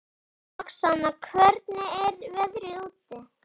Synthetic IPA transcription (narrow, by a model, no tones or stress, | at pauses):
aksanːakʰvɛɾt̪nɪɛɾvɛðɾʏuːt̪ːɪ